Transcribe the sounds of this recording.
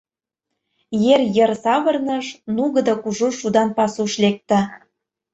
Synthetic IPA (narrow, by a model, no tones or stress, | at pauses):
jerjə̆rsɑβɤ̆rnɤ̆ʃnuɣə̆d̪ɑkuʒuʃud̪ɑnpɑsuʃlek̚t̪ə̆